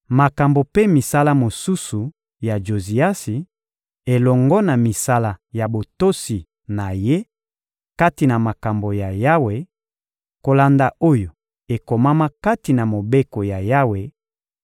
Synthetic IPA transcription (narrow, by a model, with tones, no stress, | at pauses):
ma˨ka˨mbo˨pe˦mi˨sa˦la˦mo˨su˦su˨ | ja˨d͡ʒo˨zi˨a˦si˨ | e˨lɔ˨ŋɡɔ˦na˨mi˨sa˦la˨ja˨bo˨to˦si˨ | na˨je˦ | ka˦ti˨na˨ma˨ka˨mbo˨ja˨ja˦we˨ | ko˨la˨nda˨o˦jo˨ | e˨ko˨ma˦ma˦ka˦ti˨na˨mo˨be˦ko˨ja˨ja˦we˨